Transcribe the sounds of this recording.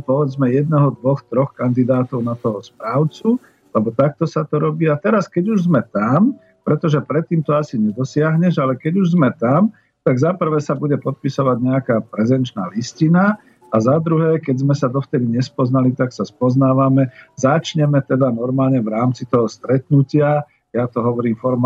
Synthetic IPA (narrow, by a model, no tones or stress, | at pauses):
pɔʋɛd͡zmɛjɛd̪nɛɦɔd̪ʋɔxt̪ɾɔxkand̪id̪aːt̪ɔʊnat̪ɔɦɔspɾaːʊt͡su | lɛbɔt̪ak̚t̪ɔsat̪ɔɾɔbiːat̪ɛɾaskɛɟuʒzmɛt̪am | pɾɛt̪ɔʒɛpɾɛt̪ːiːmt̪ɔasiɲɛd̪ɔsɪaɦɲɛʒalɛkɛɟuʒzmɛt̪am | t̪aɡzapr̩ʋɛːsabuɟɛpɔt̪̚pisɔʋaɟɲɛakaːpɾɛzɛnt͡ʃnaːliscina | azad̪ɾuɦɛːkɛɟzmɛsad̪ɔft̪ɛd̪iɲɛspɔznalit̪aksaspɔznaːʋamɛzat͡ʃɲɛmɛt̪ɛd̪anɔɾmaːlɲɛʋɾaːmt͡sit̪ɔɦɔst̪ɾɛt̪nucɪa | jat̪ɔɦɔʋɔɾiːmfɔɾm